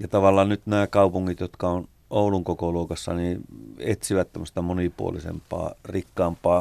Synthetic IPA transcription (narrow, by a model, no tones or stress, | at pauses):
jɑt̪ɑʋɑlːˑɑːnnyt̪næːkɑupuŋːit̪jot̪kɑon | ouluŋkokoluːkɑsːɑ̰niet̪siʋæt̪t̪æmːŏst̪ɑmonipṵo̰lisḛmpˑɑ̰ːrikːɑːmpˑɑː